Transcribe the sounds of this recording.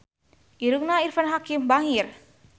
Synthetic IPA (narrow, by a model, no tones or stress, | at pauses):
iɾuk̚nairfanɦakimbaŋir